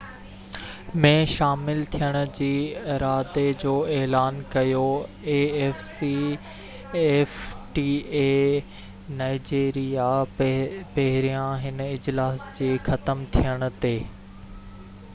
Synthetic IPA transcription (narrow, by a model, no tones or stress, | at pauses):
mẽʃaːmɪlt̪ʰijəɽ̃ʊ̆d͡ʑiːɪɾaːd̪ed͡ʑoːeːlaːnkɐjoeːeːfsi | eːfʈiːeː | naːɪd͡ʑeːɾija | pɐɦɪɾijãɦɪnɪd͡ʑlaːsd͡ʑeːxɐt̪əmt̪ʰijəɽ̃ʊ̆t̪eː